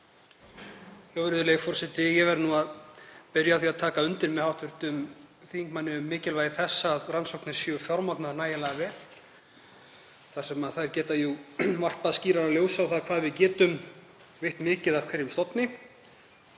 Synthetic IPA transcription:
jɔwvɛɾɪðʏleɣfɔr̥sɛht̪ɪjɛvɛɾnuaðpɪɾjawθiaðt̪ʰaːkaʏnt̪ɪɾmɛðhawht̪ʏɾ̥t̪ʏmθiːiŋkmanːɪʏmːɪːcɪlvaːjðɪθɛsːaːðransɔwknɪ̥sʏːʏfjawɾmat̪naɾnaːjɪlaːɣavɛ | θḁsɛmaðθaɛɾcɛːt̪ajuvar̥tpaðsciːɾaɾaljoːwsawθaðkʰv̥aːðvɪðcɛːt̪ʏm | vɪjht̪mɪːcɪðav̥kʰvɛɾjɪmst̪ɔpnɪ

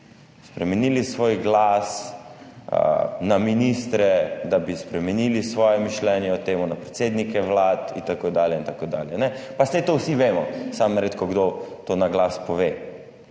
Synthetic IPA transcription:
spɾɛmɛnilisʋoːjɡlas | ə̰naminist̪ɾɛd̪abispɾɛmɛnilisʋɔːjɛmiʃlɛnjɛɔt̪eːmʊnapɾɛt̪seːd̪nikɛʋlaːt̪ḭnt̪akoːd̪aːljɛint̪akod̪a̰ːljɛnɛpasɛjt̪owsiʋeːmɔsamnaɾet̪kɔɡd̪ot̪onaɡlaspɔʋeː

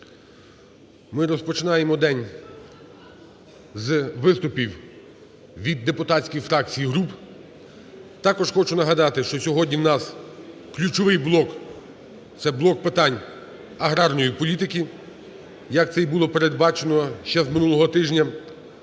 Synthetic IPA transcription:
mɪɾɔspɔt͡ʃɪnɑjemɔd̪ɛnʲ | zʋɪst̪ʊpʲiw | ʋʲid̪ːepʊt̪ɑtt͡sʲkijfɾɑk̚t͡sʲijiɦɾup | t̪ɑkɔʒxɔt͡ʃʊnɐɦɐd̪ɑt̪ɪʃt͡ʃɔsʲɔɦɔdʲnʲiwnɑsklʲut͡ʃɔʋɪjblˠɔk | t̪sɛblˠɔk̚pɪt̪ɑnʲ | ɐɦɾɑrnɔjipɔlʲit̪ɪkʲi | jɐk̚t̪sɛjbulˠɔpeɾed̪̚bɑt͡ʃenɔʃt͡ʃɛzmɪnulˠɔɦɔt̪ɪʒnʲɐ

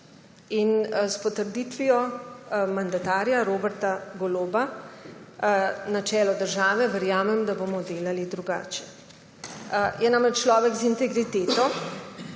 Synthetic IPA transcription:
inspɔt̪əɾd̪it̪ʋiɔ | mand̪at̪aːɾjaɾoːbɛɾt̪aɡoloːba | nat͡ʃɛːlɔd̪əɾʒaːʋɛʋɛɾjaːmɛmd̪aboːmɔd̪eːlalid̪ɾuɡa̰ːt͡ʃɛ | jɛnamɾɛt͡ʃt͡ʃlɔːʋɛɡzint̪ɛɡɾit̪eːt̪ɔ

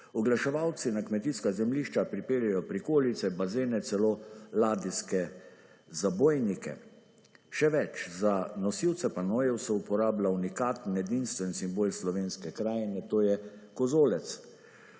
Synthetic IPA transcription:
ɔɡlaʃɛʋawt̪sinakmɛt̪iskazɛmliːʃt͡ʃapɾipeːɾjajɔpɾikoːlit̪sɛbazeːnɛt̪sɛloːlaːd̪iskɛ | zaboːjnikɛ̰ | ʃɛʋɛt͡ʃzanɔsiwt̪sɛpanoːjɛwsɔupɔɾaːblaunikaːt̪nɛd̪inst̪ʋɛnsimboːlslɔʋeːnskɛkɾaːjnɛt̪oːjɛkɔzoːlɛt̪s

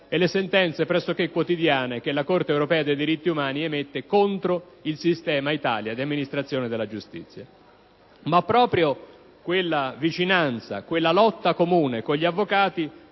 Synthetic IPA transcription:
ɛlːesent̪ɛnt̪sepɾɛsːok̟ekːwot̪id̪jaːnek̟elːakort̪eːwɾopɛːad̪ejd̪iɾit̪ːiumaːniɛmet̪ːekont̪ɾo | ilsist̪ɛːmait̪a̰ːljad̪iamːinist̪ɾat̪sːjoːned̪elːad͡ʒust̪ḭt̪sːja | mapːɾɔːpɾjo | kwelːavit͡ʃinant̪sa̰kwelːalɔt̪ːakomuːnekoʎːiavːokaːt̪i

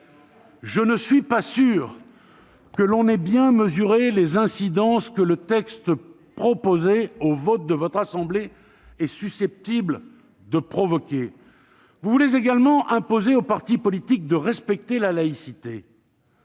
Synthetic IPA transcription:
ʒənəsɥipasyʁ | kəlɔ̃nɛbjɛ̃məzyʁelezɛ̃sid̪ɑ̃skələt̪ɛkst̪ | pχɔpozeovɔt̪̚d̪əvɔt̪χasɑ̃ble | ɛsysɛp̚t̪ibl | d̪əpχɔvɔkʲe | vuvulezeɡalmɑ̃ʔɛ̃pozeopaʁt̪ipɔlit̪ik̚d̪əʁɛspɛk̚t̪elalaisit̪e

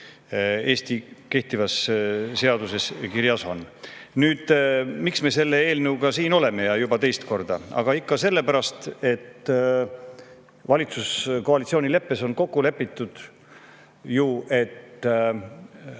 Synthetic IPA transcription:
e̞ːst̪ike̞ht̪ivɑsse̞ɑd̪use̞skiɾjɑsɑ̰nnyːd̪̥miksme̞se̞lːe̞e̞ːlnewkɑsiːno̞le̞me̞jɑjubɑt̪e̞jst̪ko̞rd̪̥ɑ̰ɑ̰ɡ̥ɑikːɑse̞lːe̞pæɾɑst̪e̞t̪ː | vɑlʲit̪susko̞ɑlit̪sio̞ːnile̞pːe̞so̞nko̞kːule̞pːˑit̪ːˑud̪̥ | juʔe̞t̪

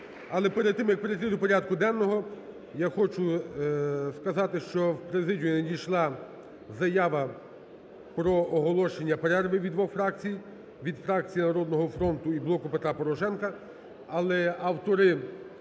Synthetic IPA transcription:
ɐlˠɛpeɾed̪t̪ːɪmjɐk̚peɾet̪ɪd̪ʊpɔɾʲad̪kʊd̪ɛnːɔɦɔ | jaxɔt͡ʃʊ | skɐzɑt̪ɪʃt͡ʃɔwpɾezɪdʲijnedʲijʃlˠɑ | zɐjaʋɐ | pɾɔɔɦɔlˠɔʃenʲːɐpeɾɛrʋɪʋʲid̪ʋɔxfɾɑkt͡sʲij | ʋʲid̪fɾɑk̚t͡sʲijinɐɾɔd̪nɔɦɔfɾɔnt̪ʊiblˠɔkʊpet̪ɾapɔɾɔʃɛnkɐ | ɐlˠɛɐwt̪ɔɾɪ

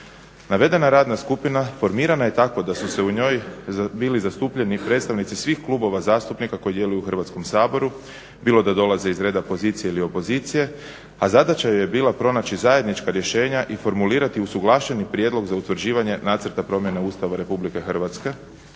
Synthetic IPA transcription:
naʋe̞d̪e̞naɾaːd̪naskupinafo̞ɾmiːɾanaje̞t̪ako̞d̪asuse̞uɲo̞ːjbiːlizast̪uːpʎe̞nipɾe̞dt̪st̪aʋnit̪sisʋixkluːbo̞ʋazaːst̪upnikako̞jid̪je̞lujuuxr̩ʋat̪sko̞msaːbo̞ɾu | biːlo̞d̪ad̪o̞lˠaze̞izɾe̞ːd̪apo̞ziːt̪sije̞ilio̞po̞ziːt̪sije̞ | azad̪at͡ʃajojebiːlapɾo̞nat͡ɕizaje̞d̪nit͡ʃkaɾje̞ʃe̞ːɲaʔifo̞ɾmuliːɾat̪iusuɡlˠaːʃe̞nipɾje̞d̪lˠo̞ɡzaut̪ʋrɾ̩d͡ʑiːʋaɲe̞naːt̪səɾt̪apɾo̞mje̞neuːst̪aʋaɾe̞publike̞xr̩ʋat̪ske̞

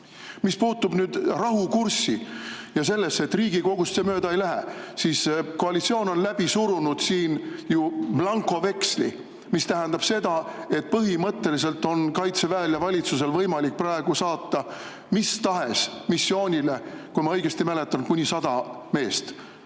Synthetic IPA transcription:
mispuːt̪ːub̥nyːd̪̥rɑɦukursːi | jɑse̞lːesːe̞t̪ːriːɡiko̞ɡ̥ust̪semøːd̪ɑejlæɦesiːsko̞ɑlit̪sioːno̞nlæb̥isuɾunud̪̥siːnjub̥lɑŋkˑo̞ve̞kslḭ | mist̪æɦænd̪̥ɑb̥se̞d̪ɑe̞t̪̚pɤɦimɤt̪ːe̞lis̬e̞lt̪ːˑo̞nkɑjt̪se̞væːljɑvɑlʲit̪suse̞lvɤjmɑlik̚prɑeɡ̥usɑːt̪ːɑ | mist̪ɑɦe̞smisːio̞ːnʲilekujmɑɤjɡ̥est̪imæle̞t̪ːˑɑn̚kunʲisɑd̪̥ɑ | me̞ːst̪

